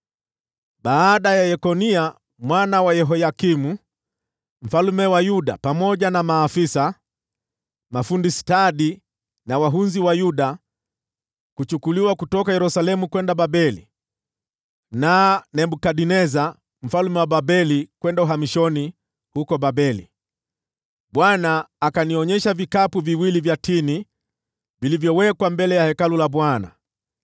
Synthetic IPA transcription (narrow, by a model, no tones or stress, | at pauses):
ɓaːɗajajɛkɔnia | mwanawajɛɦɔjakimu | m̩falumɛwajuɗa̰pamɔʄanamaːfisa | mafundisi̥taɗi | nawaɦunziwajuɗa | kut͡ʃukuliwakutɔkajɛɾusalɛmukwɛndaɓabɛlḭ | nanɛbukaɗinɛza | m̩falumɛwaɓabɛlikwɛndauɦamiʃɔni | hukɔbabɛlḭ | ɓwanaːkaniɔɲɛʃavikapuviwilivjatini | vilivjɔwɛkwambɛlɛjahɛkalulabwana̰